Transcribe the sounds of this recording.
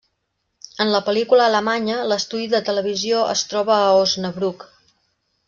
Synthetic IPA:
ənləpəlikuləːləmaɲələst̪uðiðət̪ələβ̞izioʔə̰st̪ɾɔβəːoznəβɾuk

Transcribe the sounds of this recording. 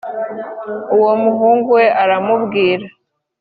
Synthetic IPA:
uwo̞muɦuːŋɡuwe̞ʔaɾamubɡiːɾa

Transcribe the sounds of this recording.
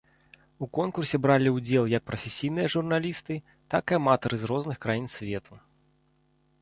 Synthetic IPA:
ukɔnkursʲɛbɾalʲiud͡zʲɛlˠjɐk̚pɾɐfʲesʲijn̪ɨjɐʐurnalʲist̪ɨ | t̪akamat̪ɐɾɨzrɔznɨxkɾajinsʲvʲɛt̪ʰu

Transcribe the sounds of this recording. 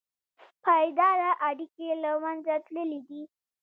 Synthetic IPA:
pajd̪ɑɾaʔaɽikelamanzat̪ləlid̪i

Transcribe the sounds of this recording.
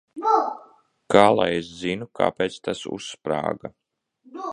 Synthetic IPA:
kaːlˠa̰jeszinukʰa̰ːpeːt̪st̪asṵsːpɾa̰ːɡa

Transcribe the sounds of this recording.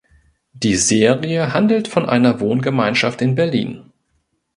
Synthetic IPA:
d̥iːzeːʁiəɦandl̩tfɔnʔa̰ɪnɐvoːnɡəmaɪnʃaftɪnbɛɐlḭːn

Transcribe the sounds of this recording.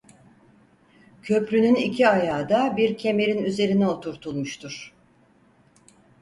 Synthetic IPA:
cʰø̞pɾynynicʰiajaːd̪abiɾcʰe̞me̞ɾinyze̞ɾinɛo̞t̪ʰuɾt̪ʰulˠmuʃt̪ʰuɾ̥

